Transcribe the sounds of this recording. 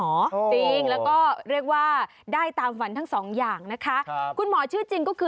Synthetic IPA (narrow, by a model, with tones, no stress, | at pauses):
ɔː˩˦t͡ɕi˧ŋlɛː˦˥wkɔː˥˩ɾi˥˩ək̚waː˥˩ | daː˥˩jt̪aː˧mfa˨˦nt̪ʰa˦˥ŋsɔː˩˦ŋjaː˨˩ŋna˦˥kʰa˦˥ʔkʰu˧nmɔː˩˦t͡ɕʰɯ˥˩ət͡ɕi˧ŋkɔː˥˩kʰɯː˧